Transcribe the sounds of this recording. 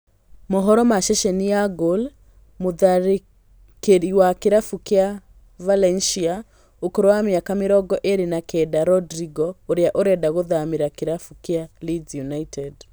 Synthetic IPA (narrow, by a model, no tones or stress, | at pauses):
moɦɔɾɔmaʃɛʃɛnijaɡol | moðaɾe | keɾiwakeɾafukea | valɛnʃia | okoɾowameakameɾɔɡɔʔeɾenakɛdaɾɔdɾiɡɔoɾjaʔoɾɛdaɣoðameɾakeɾafukealid͡ʒjunaitʰɛd